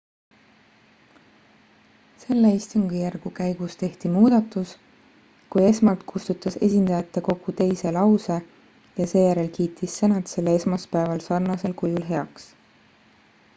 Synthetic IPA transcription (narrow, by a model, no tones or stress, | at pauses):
se̞lːeist̪uŋɡ̥ijærɡ̥ukæjɡ̥ust̪e̞ht̪imuːd̪̥ɑt̪ːˑus | kuje̞smɑlt̪kʰust̪ut̪ˑːɑse̞̰sʲind̪̥ɑjɑt̪ˑːeko̞ɡ̥ut̪e̞jse̞lɑwse̞ | jɑse̞ːjæɾe̞lkiːt̪ːˑisːenɑt̪se̞lːeesmɑspæevɑlsɑrnɑse̞lkujulɦe̞ɑks